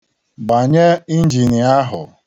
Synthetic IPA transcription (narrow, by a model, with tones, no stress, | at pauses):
ba˨ɲe˦i˦n̩˦d͡ʒi˨ni˨a˦ɦʊ̰˨